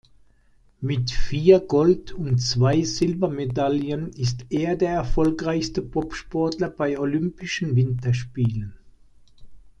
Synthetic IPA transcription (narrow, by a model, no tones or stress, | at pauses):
mɪtfiːɐɡɔltʰʊntt͡sv̥aɪzɪlvɐmedaljənɪstʔeːɐdeːɐɛɐfɔlkʁaɪçstəpʰɔpʃpɔɐtlɐbaɪolʏmpɪʃn̩vɪntɐʃpiːlən